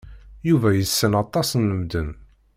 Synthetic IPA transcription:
juvæjəsːənɑt̪ˤːɑsnəmd̪ən

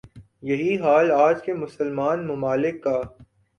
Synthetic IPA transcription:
jɐɦiɦaːlaːd͡ʒkemʊsəlmaːnmʊmaːlɪkːaː

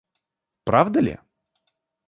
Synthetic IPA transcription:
pɾavd̪əlʲɪ̰

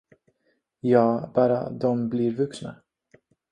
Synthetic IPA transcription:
jɑːbɑːɾa̰d̪ɔmblɪɾvɵksna̰

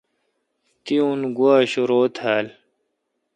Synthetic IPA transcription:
t̪iũnɡuaːɕuɾoːt̪ʰhaːl

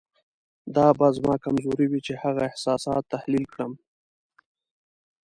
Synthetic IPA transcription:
d̪ɑbɑzmɑkamzoɾiwit͡ʃehaɣaɪhsɑsɑt̪ːahlilkɽəm

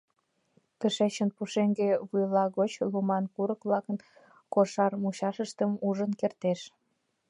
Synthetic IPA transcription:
t̪əʃet͡ɕənpuʃeŋɡeβujlɑɣot͡ɕlumɑnkuɾəkβlɑkən | koʃɑrmuɕɑʃəʃt̪əmuʒənkert̪eʃ

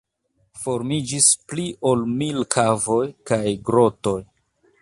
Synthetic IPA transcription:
fo̞ɾmid͡ʒispliʔo̞lmilkʰavo̞jkajɡɾo̞to̞j

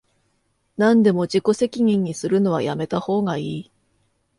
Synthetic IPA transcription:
nãnd̪e̞mo̞d͡ʑiko̞se̞kʲiɲ̟ĩɲ̟ːisɨɾɯ̟no̞β̞ajame̞t̪aho̞ːɡaiː

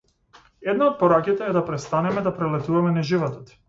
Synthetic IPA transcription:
ɛd̪naot̪̚pɔɾakit̪ɛɛd̪apɾɛt̪st̪anɛmɛd̪apɾɛlɛt̪uvamɛnaʒivɔt̪ɔt̪

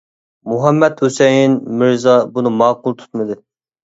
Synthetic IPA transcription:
muɦɛmːɛt̪hosɛjinmɪɾzɑbunɨmɑːqʊlˠt̪ʰu̥t̪mɨd̪ɨ

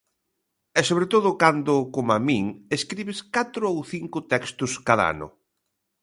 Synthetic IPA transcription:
ɛsoβɾet̪oðʊkand̪ʊkomamiŋeskɾiβɪskat̪ɾʊowθiŋkʊt̪ɛkst̪ʊskaða̰a̰nʊ̰

